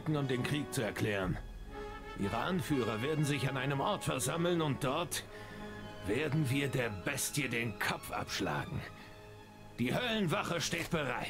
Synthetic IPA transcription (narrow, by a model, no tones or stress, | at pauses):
kŋ̩ʊmt̚d̥eːnkʁ̥iːk̚t͡suɛɐkʰl̥ɛːʁən | ʔḭːʁəʔanfyːʁɐveːɐdn̩zɪçanʔaɪnəmʔɔɐtfɛɐzaml̩nʊnt̚d̥ɔɐt | v̥eːɐdn̩viːɐdeːɐbɛstjədeːnkʰɔp͡fʔa̰pʃla̰ːɡŋ̩ | d̥iːhœlnvaχəʃteːt̚b̥əʁa̰ɪ